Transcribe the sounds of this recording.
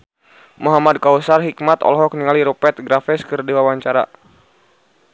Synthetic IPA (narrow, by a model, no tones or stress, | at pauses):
muɦamad̪̚kausarɦikmat̪ɔ̰lɦɔk̚niŋaliɾɔpɛt̪̚ɡɾafɛskɨrdiwawaɲt͡ʃaɾa̰